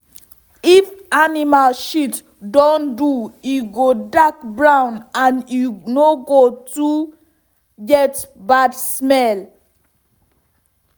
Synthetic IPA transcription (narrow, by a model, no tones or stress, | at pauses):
ifanimalʃit | dɔ̃ndujuɡodakbɹãʊ̃nãnunoɡotu | jɛtbadsmɛl